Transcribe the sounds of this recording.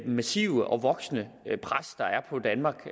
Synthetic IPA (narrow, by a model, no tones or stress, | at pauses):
mæsiːʊəʔɒ̽ʋɒ̽ɡ̥snə | pʰʁasd̥ɑ̈æɐpʰɒ̽d̥ænmɑ̈ːɡ̥